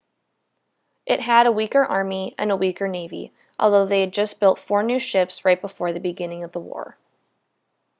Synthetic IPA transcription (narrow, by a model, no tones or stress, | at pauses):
ʔɪt̚ɦɨɾəwikə˞ʔɑɹmiʔɨ̰̃nəwikə˞neɪvḭ | ʔɔ̰lˠðoʊðeɪɨd̚d͡ʒʌsb̥ɪlˠtfɔɹnʉʃɪpsɹaɪt̚b̥əfɔɹðɨbɨɡɪ̃nɪ̃ŋʌvðəwɔ̰ɹ